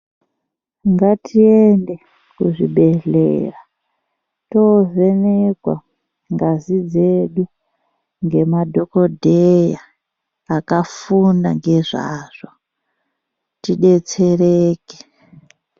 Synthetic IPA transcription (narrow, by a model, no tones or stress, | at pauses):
ŋɡatʰiende | kuʐiɓeɮḛra | tozenekwa̰ | ŋɡazid͡zeɗu | ŋɡe̞madʱokodʱejaː | kafunda̰ŋɡe̞ʐa̰ːʐ̥o | tiɗet͡sereːke̥